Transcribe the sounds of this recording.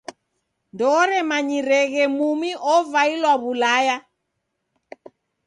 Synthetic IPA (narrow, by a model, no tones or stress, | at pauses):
ndɔːɾɛmaɲiɾɛɣɛmumiʔɔvailwaβulaja